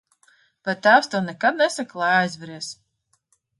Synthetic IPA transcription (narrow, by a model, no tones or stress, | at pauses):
b̥ɛt̪ːæːwst̪awnɛkad̪̚nɛsaklˠajajzvɛɾiɛs